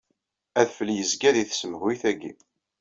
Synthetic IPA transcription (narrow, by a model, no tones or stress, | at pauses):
æðfəljəzɡæðiθsəməhwiθæɡḭ